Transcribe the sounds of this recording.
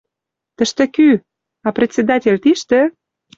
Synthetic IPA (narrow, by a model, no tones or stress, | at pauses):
t̪ə̆ʃt̪ĕky | ɑprʲet͡sʲːed̪ɑtʲelʲt̪iʃt̪ĕ